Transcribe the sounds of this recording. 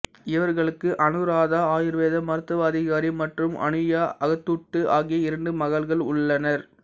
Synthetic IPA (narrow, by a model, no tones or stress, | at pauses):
ɪʋɐɾɣɐɭɯkːɯʔɐnɯɾaːðaːaːjɪɾɯʋeːðɐmɐɾɯt̪ːɐʋɐːðɪɣaːɾimɐʈrɯmɐ̰nɯjaːʔɐɣɐt̪ːuʈːɯʔaːɣɪjɐɪɾɐɳɖɯmɐɣɐɭɣɐɭʊɭːɐnɐɾ